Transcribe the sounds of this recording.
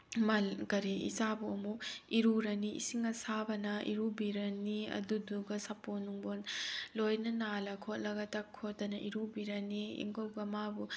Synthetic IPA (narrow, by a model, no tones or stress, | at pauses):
mɐlkɐɾiḭzabuɐmukiɾuɾɐniḭsiŋɐsabɐnɐʔḭɾubiɾɐniɐ̰duduɡɐsɐponuŋbonlojnɐnalɐkʰot̚lɐɡɐtɐkʰotːɐnɐʔḭɾubiɾɐniḭŋɡowɡɐmabu